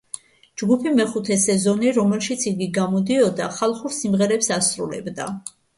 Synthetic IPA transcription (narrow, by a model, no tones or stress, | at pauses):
d͡ʒɡupʰimɛχut̪ʰɛsɛzɔniɾɔmɛlˠʃit̪sʰiɡiɡamɔd̪iɔd̪aχalˠχuɾsimʁɛɾɛpsasɾṵlɛ̰bd̪a̰